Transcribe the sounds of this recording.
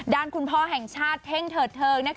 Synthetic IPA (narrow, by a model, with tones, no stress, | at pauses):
ɗaː˨˩nkʰu˧˩npʰɔ˧ɦɛː˨˩ŋsaː˧˥t̚hʰɛ˧ŋt̪ʰəː˨˩t̚t̪ʰəː˨˩nɛ˨˦˥